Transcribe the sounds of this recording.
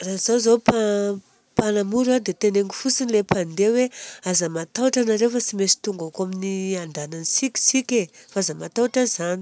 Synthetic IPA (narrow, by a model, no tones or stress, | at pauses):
raz̥awzowpa | panamuɾad̪et̪eneŋɡifusinilepand̪eweazamat̪aʈ͡ʂanaɾewfət͡simesi̥t̪uŋɡakaminiand̪ananisikʲi̥sikʲefaazamat̪awʈ͡ʂəzani̥